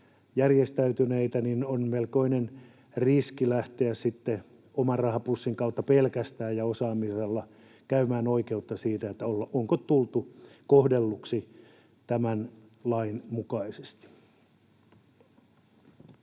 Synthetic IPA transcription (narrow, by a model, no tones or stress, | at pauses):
jærjest̪æyt̪yneit̪æninonmelkoinen | riskilæht̪eæssit̪ːe | omɑrrɑhɑpusːiŋkɑut̪ːɑpelkæst̪æːjjɑosɑːmiselːɑ | kæymæːnoikeut̪ːɑsiːt̪æet̪ːæolːɑoŋkot̪tult̪ukohdelːuksi | t̪æmæn | lɑinmukɑise̥st̪i̥